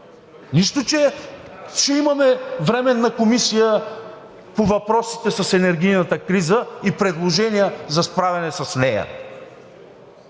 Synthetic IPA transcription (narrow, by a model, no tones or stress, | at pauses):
niʃt̪ot͡ʃɛ | ʃɛimɐmɛvɾɛmɛnːɐkomisijə | povɐpɾɔsi̥t̪ɛsɐsɛnɛɾɡ̟ijnət̪əkɾizəipɾɛd̪lˠoʒɛnijəzɐspɾavʲɛnɛsɐsnɛjɐ̰